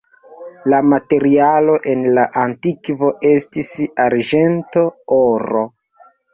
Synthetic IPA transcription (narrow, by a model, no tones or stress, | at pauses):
lamate̞ɾialo̞ʔe̞nlaʔantikvo̞ʔe̞stisaɾʒe̞nto̞oɾo̰